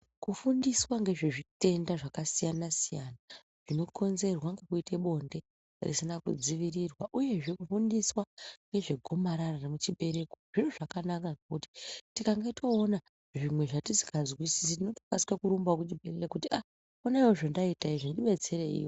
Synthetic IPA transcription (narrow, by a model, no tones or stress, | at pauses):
kufundiswaŋɡe̞ʐe̞ʐite̞ndaʐakasijanasijana | ʐ̥ino̞kʰo̞nze̞rwaŋɡe̞kuite̞ɓo̞nde̞ | rḭsinakṵd͡ziʋirirwaʔuje̞ʐe̞kufundiswaŋɡe̞ʐe̞ɡʱo̞maɾararemut͡ʃiɓe̞ɾe̞ko̥ʐiruʐakanakaɡkuti̥tikaŋɡe̞tʰo̞ːna | ʐimwe̞ʐatisi̥kazwisisitino̞to̥kaskakuɾumbakutibeelekutiʔa | onaiwoʐondaitaiʐondiɓe̞t͡se̞ɾe̞ḭːjo